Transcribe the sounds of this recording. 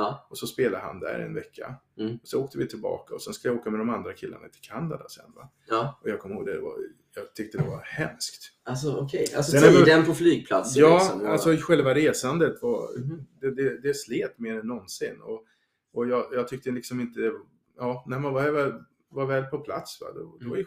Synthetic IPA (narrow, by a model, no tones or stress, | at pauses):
ɔsɔspeːlad̪əha̰nd̪æ̰ɾɛ̰nvɛkʰːa̰ɔsɔoːk̚t̪əvɪt̪ʰɪlbɑ̰ːkaɔsɛnskɵləjaoːkamɛd̪ɔmand̪ɾakʰɪlːa̰na̰t̪ʰɪlkʰanːad̪asɛ̰nːva̰ | ɔjɑːɡkʰɔmhoːɡd̪ɛd̪va̰ | jɑɡt̪ʰʏk̚t̪əd̪ɛvahɛmskt̪ | asɔɔkʰɛja̰sɔɛnɛd̪ɛnpʰɔflyːɡ̚pʰla̰t̪sjɑːalsɔɧɛlvaɾeːsand̪ət̪vad̪ɛd̪ɛd̪ɛsleːt̪meːɾɛnːɔnsɪnːɔ̰ | ɔjɑːjɑːɡt̪ʏk̚t̪əlɪksɔmɪnt̪əd̪ɛ | jɑːnæɪmɛnvavɛ | vaɾvɛːlpʰɔpʰla̰t̪sva̰d̪ɔd̪ɛvaɪ